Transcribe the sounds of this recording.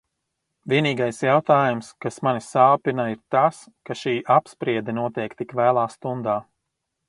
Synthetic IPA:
vʲiɛniːɡajsjawt̪aːjumskasmanisaːpinaiɾt̪as | kaʃiːʔapspɾiɛd̪ɛnuɔt̪ɛjkt̪ikvæːlˠaːst̪und̪aː

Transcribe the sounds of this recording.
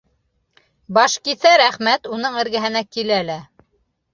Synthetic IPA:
bɑʃkiθæɾæχmæt̪unɤɴɘ̆ɾɡɘɦɘ̆nækilælæ

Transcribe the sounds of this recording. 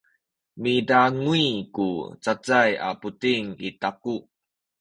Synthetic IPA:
midaŋuikut͡sat͡saja̰putiŋitaku

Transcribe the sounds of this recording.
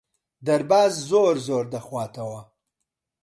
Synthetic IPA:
d̪aɾbɑːzzoɾzoːɾd̪axwaːt̪awa

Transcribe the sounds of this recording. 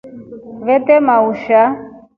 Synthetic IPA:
βɛt̪ɛmauʃa

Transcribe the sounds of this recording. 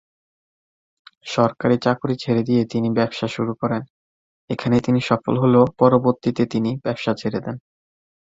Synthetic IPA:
ʃɔɾkaɾit͡ɕakuɾit͡ɕʰeɾed̪ijet̪inibɛbʃaʃuɾukɔɾen | ekʰanet̪iniʃɔfo̰lɦolopɔɾoboɾt̪it̪et̪inib̥ɛbʃat͡ɕʰeɾed̪ɛn

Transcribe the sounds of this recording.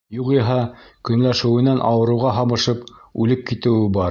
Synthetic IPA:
juqiɦɑkɵ̆nlæʃɘ̆wɘ̆nænʔɑwɤ̆ɾɤ̆wʁɑɦɑmɤ̆ʃɤpʉlɘp̚kit̪ɘ̆wɘbɑɾ

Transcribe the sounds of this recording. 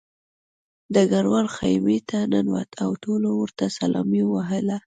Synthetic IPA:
d̪əɡaɾwaɾxajmet̪ʰanənwa̰t̪ʰawt̪olowəɾt̪asalɑ̰miwaɦəla

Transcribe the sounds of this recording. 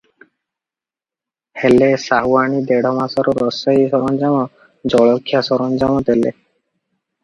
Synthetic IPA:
helesaɦuaɳid̪eɽ̤ɔmasɔɾɔɾɔsɔjisɔɾɔnd͡ʒamɔ | d͡ʒɔɭɔkʰːjasɔɾɔnd͡ʒamɔt̪elḛ

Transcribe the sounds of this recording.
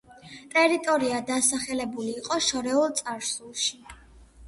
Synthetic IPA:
t̪ʼɛɾit̪ʼɔɾiad̪asaχɛlɛbuliːqʼɔʃɔɾɛulˠt̪sʼaɾsulˠʃi

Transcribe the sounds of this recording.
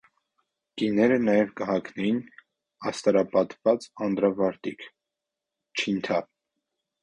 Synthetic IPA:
kinɛɾənɑjɛvkəɦɑkʰnɛjin | ɑst̪ɑɾɑpɑt̪vɑt͡sɑnd̪ɾɑvɑɾt̪ikʰ | t͡ʃʰint̪ʰɑ

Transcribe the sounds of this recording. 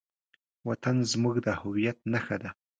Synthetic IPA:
wat̪anzmuɡd̪əhʊwijat̪̚naxad̪a

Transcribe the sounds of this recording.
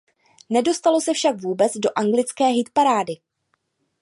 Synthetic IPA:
nɛdo̞st̪alo̞sɛfʃakvuːbɛt͡sdo̞ʔaŋɡlɪt͡skɛːɦɪt̪paɾaːdɪ

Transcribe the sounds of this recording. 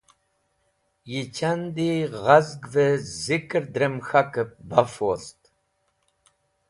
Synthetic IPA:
jit͡ʃʰand̪iʁazɡvəzikʼɨɾd̪ɾəmxakəp̚bafost̪

